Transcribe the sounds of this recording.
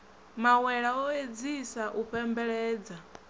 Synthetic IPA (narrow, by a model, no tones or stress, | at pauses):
mawɛɺaɔed͡zisaʔuɸɛmbɛɺɛːd͡za